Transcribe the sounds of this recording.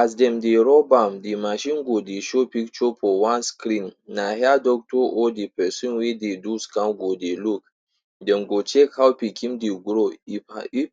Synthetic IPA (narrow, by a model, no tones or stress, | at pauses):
asdɛ̃mdeɾɔbãmdimaʃĩnɡodeʃopikt͡ʃopɔwãnskɾĩnːahɛadɔk̚tɔʔɔdipɛsĩnwededuskãnɡodeluk̚ | dɛ̃mɡot͡ʃɛkhawpikʰĩmdeɡɾoii